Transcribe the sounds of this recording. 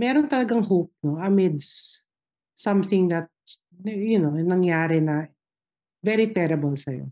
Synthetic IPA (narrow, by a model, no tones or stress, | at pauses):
mɛːɾont̪ɐlɐɡaŋhowp̚noʔɐmɪd̪s | sɐ̃mθɪŋd̪ɐt̪̚s | njʊnonɐŋjaːɾɛnɐ | vɛɾit̪ɛɾɐbɐlsɐjo̰